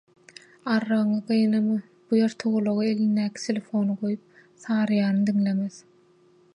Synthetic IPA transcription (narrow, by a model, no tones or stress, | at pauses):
ɑɾːɑɣɯŋɑqɯjɯnɑmɯ | b̥ujeɾt̪ʰoɣolˠoʁɑelinːæːkʲʰi̥t̪ʰelʲefo̞nɯʁo̞jup̚θɑːɾɯjɑːɾnɯd̪iŋlemeð